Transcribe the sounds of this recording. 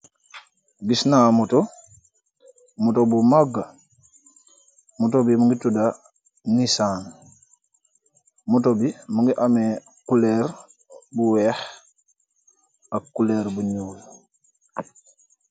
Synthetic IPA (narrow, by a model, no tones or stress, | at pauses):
ɡisnamuto | mutobumaɡa | mutobimuŋɡituda | nisaːn | mutobimuŋɡiʔame | kuleɾ | buwɛːh | akːuleːɾbuɲuːl